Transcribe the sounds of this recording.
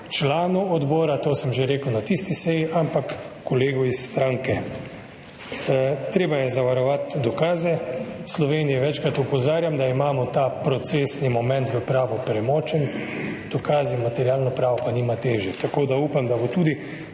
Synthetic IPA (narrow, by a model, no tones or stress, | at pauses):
t͡ʃlaːnuɔd̪bɔːɾat̪oːsəmʒeɾeːkəwnat̪ist̪isɛjiʔampakː | ɔleːɡɔisːt̪ɾaŋkɛ | t̪ɾeːbajɛzaʋaɾɔʋat̪d̪ɔkaːzɛslɔʋeːnijɛʋɛt͡ʃkɾat̪ɔpɔzaːɾjamd̪aimaːmɔt̪apɾɔt̪seːsnimɔmɛ̃nt̪ʋəpɾaːʋɔpɾɛmɔːt͡ʃɛnd̪̥ɔkaːzinmat̪ɛɾjaːlnɔpɾaːʋɔpaniːmat̪eːʒjɛt̪akoːd̪auːpamd̪abot̪ud̪i